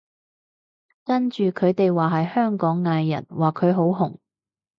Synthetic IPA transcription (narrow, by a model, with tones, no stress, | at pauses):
kɐ˥nt͡ʃyː˨kʰɵ˨˧ɥt̪e˨jwaː˨˩ɦɐ˨jhœː˥ŋkɔː˨˥ŋːaː˧jːɐ̰˨˩nwaː˨˩kʰɵ˨˧ɥɦo˨˥wɦʊ˨˩ŋ